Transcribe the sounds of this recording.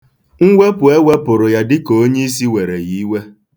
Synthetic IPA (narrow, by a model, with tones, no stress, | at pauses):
ŋ̩˦ɡʷe˦pʊ˨e˦we˦pʊ˨ɾʊ˨ja˨dɪ˦ko˨o˦ɲe˦i˦s̬i˦we˨ɾe˨ɣi˦we˦